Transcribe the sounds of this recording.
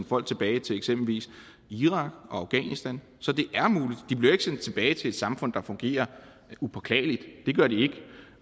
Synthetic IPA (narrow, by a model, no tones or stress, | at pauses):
nfɒ̽l̰ɡ̥̚t͡sʰe̝b̥ɛːɪt͡sʰe̝leɡ̥sem̰b̥l̩ʋḭːs | iʁɑ̈ɡ̥ɒ̽ɑ̈ʊɡ̥ɛ̰nisd̥æn | sɒ̽d̥e̝ʔæɐmuːlid̥d̥ib̥liɐe̝ɡ̥sen̰d̥̚t͡sʰe̝b̥ɛːɪt͡sʰe̝e̝d̥sɑ̈mfɔ̽n̰d̥ɑ̈fɔ̽ŋɡ̥e̝̰ːɐ | upʰɒ̽kʰlɛ̰ːlid̥d̥e̝ɡ̥ɶɐɾ̥ie̝ɡ̥